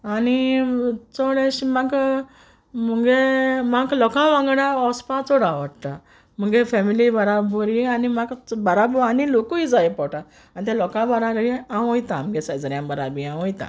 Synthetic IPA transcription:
ani | t͡sɔɽẽɕimaɡ | m̤əɡemaɡlɔkãʋãŋɡɽãɔspat͡sɔɽaʋəɽt̪a | m̤əɡefɛmilibəɾabɔɾianimaɡbaɾabanilokuid͡zajpɔʈa | anit̪ɛ̃lɔkãbaɾaɾiãwɔ̃jt̪ãm̤əɡɛsajd͡zɾjãmbəɾabiãwɔ̃jt̪ã̰

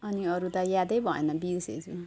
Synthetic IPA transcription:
ʌniʌɾut̪ʌjad̪ʌjbʱʌḛnʌbiusḛt͡sʰu

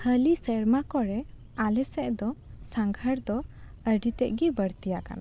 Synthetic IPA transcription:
həlisəɽmakɔɾɛ | alɛsɛʔd̪ɔsaŋɡʱəɾd̪ɔ | əɖit̪ɛʔɡibəɽt̪ijaka̰na

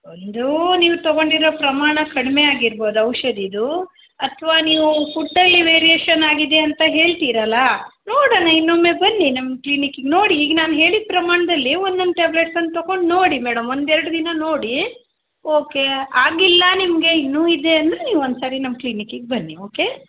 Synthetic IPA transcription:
ond̪uniːʋut̪ɔɡo̞ɳɖiɾoːpɾɐmaːɳɐkɐɽmeaːɡiɾbo̞ːd̪uɐwʂɐd̪id̪u | ɐt̪ʰʋaːniːʋupʰuʈːɐlːiʋeːɾieːʃɐnaːɡid̪e̞ɐnt̪ɐɦe̞ːɭt̪iːɾɐlɐnoːɽɐnɐinːomebɐnːinɐmːkliːnikiɡno̞ːɽiːɡɐnaːnɦe̞ːɭid̪̚pɾɐmaːɳɐd̪ɐlːiond̪ond̪ʈeːbleʈsɐnːt̪oɡo̞ɳɖno̞ːɽimɛːɽɐmo̞nd̪ɛɾɐɽud̪inɐno̞ːɽi | oːke̞aːɡilːɐnimɐɡe̞inːuːid̪e̞ɐnd̪ɾe̞niːʋuond̪saːɾinɐmːɐkliːnikiɡ̚bɐnːio̞ːke̞

